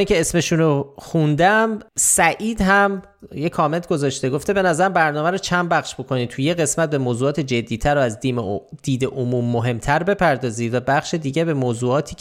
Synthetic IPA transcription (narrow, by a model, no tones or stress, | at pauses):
iŋcʰe̞esme̞ʃunoxund̪æmsæʔiːd̪ɦæm | jekʰɒːme̞nt̪̚ʰɡo̞zɒːʃt̪e̞ɡoft̪e̞be̞næzæɾæmbæɾnɒːmæɾot͡ʃʰæn̚bæχʃbo̞kʰo̞niːt̪ʰujeɣe̞smæt̪̚be̞moːzuːɒːt̪ʰe̞d͡ʒe̞d̪ːiːt̪ʰæɾoæzd̪imd̪̥iːd̪eʔomuːmːoɦe̞mt̪ʰæɾbe̞pʰæɾd̪ɒːziːvæbæχʃed̪iːɟebe̞moːzuːɒːt̪ʰiː